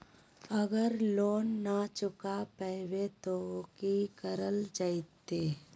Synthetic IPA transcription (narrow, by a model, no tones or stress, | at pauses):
əɡəɾloːnːat͡ʃʊkapəwet̪okikəɾəld͡ʒaɪt̪ːeː